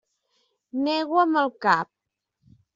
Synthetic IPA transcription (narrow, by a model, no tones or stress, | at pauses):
nɛɣwəməlˠkap̚